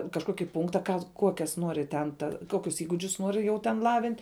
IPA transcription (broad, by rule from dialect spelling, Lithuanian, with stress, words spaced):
kɐʃˈkoːkʲɪ ˈpʊŋktɐ ˈkɑː ˈkuɔkʲɛs ˈnuɔrʲɪ tʲɛn ˈtɐ ˈkoːkʲʊs iːɡʊˈd͡ʒʲʊs ˈnuɔrʲɪ jɛʊ tʲɛn ˈlˠɑːʋʲɪnʲtʲ